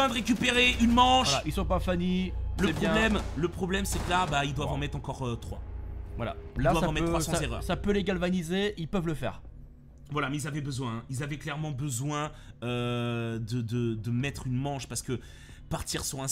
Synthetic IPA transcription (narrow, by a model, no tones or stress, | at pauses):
ɛ̃d̪əʁek̬ʲypeʁeʔynmɑ̃ʃwaailsɔ̃pafaniləpjɔɛ̃lɛmləpχɔblɛmsɛklabaild̪wavɑ̃mɛt̪χɑ̃kɔʁøt̪χwa̰vwala̰ldadwavaɑ̃mɛtøsɑ̃azeʁœ̰ʁsapøleɡalvanizeilpœvləfɛ̰ːʁ | vwalamɛilzavɛbəzwɛ̃ilzavɛklɛʁmɑ̃bəzwɛ̃ød̪əd̪əd̪əmɛt̪χynmɑ̃ʃpaʁsə̥kə | paʁt̪iʁsɔ̃ɛ̃